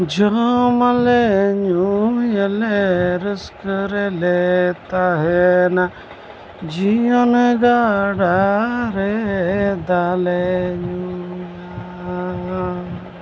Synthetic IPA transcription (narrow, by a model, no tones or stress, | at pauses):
d͡ʒomɐleɲujɐleɾɪskɾelet̪aɦena | d͡ʒijoneɡaɖaɾe | d̪aleɲujja